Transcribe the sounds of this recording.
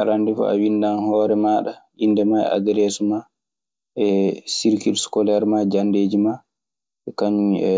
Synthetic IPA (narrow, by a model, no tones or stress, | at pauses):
aɾandifɔ̰a̰windanhɔːɾɛmaːɗaʔindɛmaɛ̰a̰ɡɛɾeːsuma | ɛsiɾkilskɔlɛɾmad͡ʒandeːd͡ʒima | ɛkaɲu